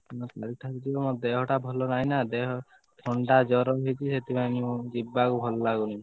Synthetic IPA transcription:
mɔ̃k̪aɾiʈ̪ʰakit̪iɔmɔd̪eɦɔʈabʱɔlɔnaĩnad̪eɦɔ | t̪ʰɔɳɖad͡ʒɔɾɔɦit͡ʃʰiset̪ʰibamũd͡ʒibːakubʱɔlɔlaɡuni

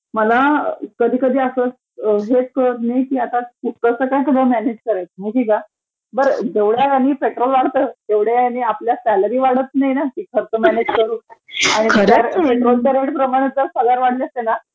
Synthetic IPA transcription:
məlakəd̪ʱiːkəd̪ʱiːəsəs | əɦet̪̚kəɽət̪najkiːat̪aut̪əsəkajt̪ʰubəmæned͡ʑkəɾajt̪miʈʰika | bəɾd͡ʑeʋɽjakaniːpeʈɾolʋaɽt̪ət̪eʋɽ̤jaaniapljat̪alabʱiːʋaɽət̪̚najinakiːkʰəɾt͡s̪əmæned͡ʑkəɾuːaɽ̃ik̪əɾaɾpeʈɾolt̪aɾeʈpɾəmaɽ̃ẽt͡s̪əɾsəɡaɾʋaɽliəst̪ena

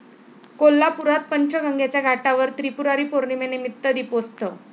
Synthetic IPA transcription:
kolːapuɾat̪̚pəɲt͡ɕʰəɡəŋɡat͡ɕjaɡʱaʈaʋəɾt̪ɾipuɾaɾiːpoɾɳimenimit̪ːəd̪ipost̪ə

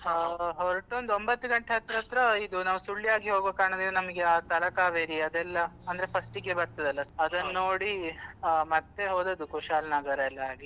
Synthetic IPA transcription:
ɦoɾʈond̪uombɐt̪ːuɡɐɳʈeɦɐt̪ɾɐɦɐt̪ɾɐid̪unaːʋusuɭːijaːɡiɦoːɡoːkaːɳɐd̪eɐnɐmɐɡeaːt̪ɐlɐkaːʋeːɾiɐd̪ɛlːɐɐnd̪ɐɾepʰɐsʈiɡebɐɾt̪ɐd̪ɐlːɐɐd̪ɐnːoːɽi | mɐt̪ːeɦoːd̪ɐd̪ukuʃaːlnaːɡɐɾɐɛlːɐaːɡi

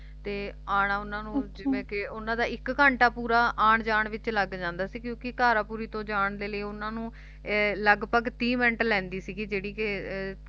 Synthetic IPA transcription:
t̪eːaːɽaːʊnãːnũːd͡ʒɪʋẽːkɪʊnãːd̪aːɪkːəɳʈaːpuːɾaːʔaːɳd͡ʒaːɳʋɪt͡ʃləɡd͡ʒãːnd̪aːsiːkjõːkɪkaːɾaːpuːɾiːt̪õːd͡ʒaːɳleːləiʊnãːnũː | ləɡpəɡt̪iːmɛ̃ɳʈlɛ̃ːnd̪iːsiɡiːd͡ʒeːɽiːkɪ

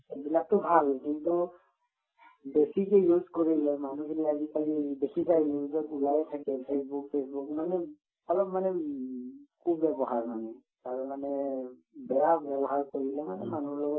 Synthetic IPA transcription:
bilak̚tʊbʱalkintu | besikɛjuzkoɹilɛmanukʰiniazikalidekʰizajluzɔtulajɛtʰakɛpʰesbukpʰesbukmanɛ | ɔlɔpmanɛ | kʰubːɛbɔɦaɹmanɛ | taɹmanɛ | bɛɹabɛbɔɦaɹkoɹilɛmanɛmanuɹlɔɡɔ

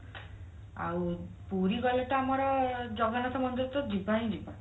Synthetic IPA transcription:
a̰w | puɾiɡɔlɔʈaamɔɾɔd͡ʒɔɡɔnɔt̪ɔmɔnd̪ɔt̪ɔd͡ʒibʱaɦĩd͡ʒibʱa

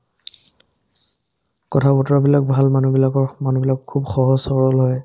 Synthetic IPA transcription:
kɔtʰabɔtɹabilak̚bʱalmanubilakɔɹmanubilakʰːubxɔɦɔsɔɹɔlɦɔj

